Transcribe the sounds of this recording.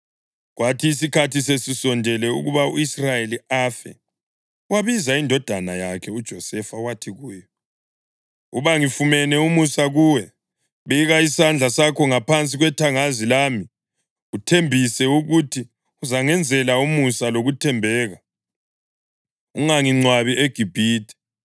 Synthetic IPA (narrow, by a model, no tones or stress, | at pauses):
ɣwatʰiːsikʰatisesisɔndʱɛlɛṵɣuβauisrajeliafɛ̰ | waβizaindʱɔd̥ʱanajakʰɛud̥ʒ̥ʱɔsɛfawatʰiɣujɔ | uβaŋifumɛnɛumusaɣuwɛ | βejiɣaisand͡ɮʱasakʰɔŋapʰant͡sʼiɣwɛtʰaŋazilami | ɣutʰembʱisɛuɣutʰi | uzaŋɛnd͡zʱɛlaumusaloɣutʰɛmbʱɛːɣa | uŋaŋiŋ͡ǀwaβiʔeɡ̥ʱib̥ʱiːtʰʼɛ̥